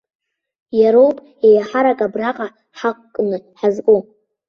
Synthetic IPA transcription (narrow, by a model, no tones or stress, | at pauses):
jaɾowpʼ | ejaħaɾakʼabraqʼa | ħaqʼkʼːnɨħazkʼu